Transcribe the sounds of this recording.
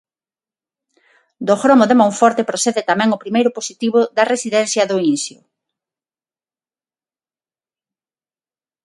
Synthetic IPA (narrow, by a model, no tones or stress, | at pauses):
d̪oxɾɔmoðemõɱfɔɾt̪epɾoθɛðet̪amɛ̃ŋopɾimejɾʊposit̪iβʊðɐresiðɛn̟θjɐðʊinsjo